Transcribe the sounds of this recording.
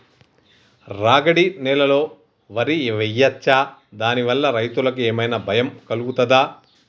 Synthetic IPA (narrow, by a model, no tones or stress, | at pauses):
ɾaːɡɐɽinɛlɐlo̞ː | ʋɐɾiʋɐjːɐt͡ʃːaːd̪aːniʋɐlːɐɾɐjt̪ulɐkueːmɐjnɐbʱɐjɐmkɐluɡut̪ɐd̪aː